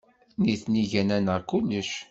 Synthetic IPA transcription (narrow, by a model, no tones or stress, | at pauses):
niθniʝænænəʁkulːəʃ